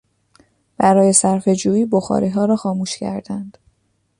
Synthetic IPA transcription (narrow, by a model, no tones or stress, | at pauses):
b̥æɾɒːje̞sæɾfe̞d͡ʒuːiːboxɒ̰ːɾiːɦɒːɾɒːxɒːmuːʃcʰæ̰ɾd̪ænd̪̥